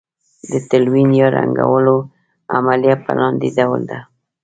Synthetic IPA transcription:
d̪ət̪alwinjɑɾa̰ŋɡa̰wəlo | amaljat̪̚pə̰lɑnd̪ed̪awəld̪a

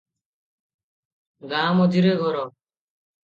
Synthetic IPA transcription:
ɡaːmod̪iɾeɡʱɔɾɔ

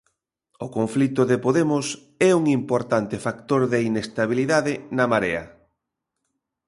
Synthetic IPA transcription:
ʊkoɱflit̪ʊðɪpoðemʊs | ɛuŋimpoɾt̪ant̪ɪfakt̪oɾðɪinest̪aβ̞iliðaðɪnɐmaɾeɐ

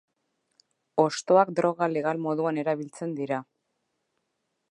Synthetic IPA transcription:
o̞st̪o̞akd̪ɾo̞ɣale̞ɣ̞almo̞ðuane̞ɾaβ̞ilt͡se̞nd̪iɾa

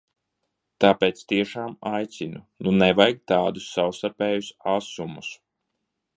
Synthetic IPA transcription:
t̪aːpɛːt̪st̪iɛʃaːmajt̪sinu | nunɛvajɡ̚t̪aːd̪usːawst̪aɾpɛːjusasumus

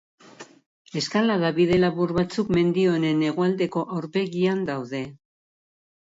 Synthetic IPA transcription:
e̞skalaðaβiðe̞laβuɾβat͡sukme̞nd̪io̞ne̞ne̞ɣ̞oald̪e̞ko̞ʔawɾpe̞ɣiand̪awðe̞

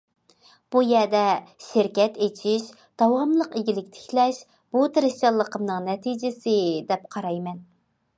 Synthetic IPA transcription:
b̥ujɛd̪ɛʃɪɾkʲɛt̪et͡ʃʰiʃ | d̪̥ɑwɑmlˠəqeɡʲilɪkʲt̪ʰɪ̥kʰʲlɛʃ | b̥ut̪ʰɾɪʃt͡ʃɑlˠːəqʰəmnɨŋnɛt̪ʰid͡ʒɪsɪd̪ɛp̚qʰɑɾɑjmɛn

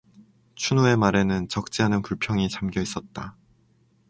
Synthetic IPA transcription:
t͡ɕʰunoe̞maɾe̞nɯnt͡ɕʌk̚t͡ɕ͈iɦanɯnkuɭpʰjʌŋit͡ɕamɡjʌis͈ʌt̚t͈a

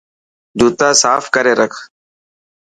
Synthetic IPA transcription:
d̪ʱuːt̪ãːsaːfkəɾeːɾəkʰ

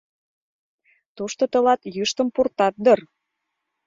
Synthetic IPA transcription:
t̪uʃt̪ot̪ə̆lɑt̪jɯʃt̪ə̆mpurt̪ɑt̪̚d̪ər

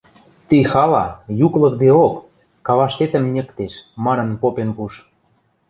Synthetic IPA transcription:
t̪ixɑlɑjuklɤ̆k̚d̪eokː | ɑβɑʃt̪et̪ə̆mnʲĕkt̪eʃmɑnɤ̆npopenpuʃ

